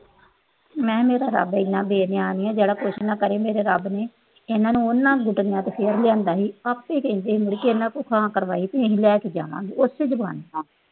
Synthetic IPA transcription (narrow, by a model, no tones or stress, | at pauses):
mɛ̃ːmeːɾaːɾə̰bɪnːãːbeːneːaːniːãːd͡ʒeːɽaːkoːʃnãːkəɾeːmeːɾeːɾəbneː | enãːnũːʊnːãːɡʊʈnjãːt̪epʰeːɾlɪjãːnd̪aːɦiːəpːeːkẽːnd̪eːɦiːmʊɽikeenãːkʊkʰãːkəɾʋaːiːt̪ẽːɦilɛːked͡ʒa̰ːʋã̰ːɡiːʊsɪd͡ʒba̰ːnaː